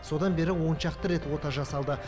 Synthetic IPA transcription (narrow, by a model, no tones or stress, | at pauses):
so̞d̪ɑnbe̞ɾɪwo̞nʃɑqt̪əɾe̞t̪wo̞t̪ɑʒɑsɑlˠd̪ə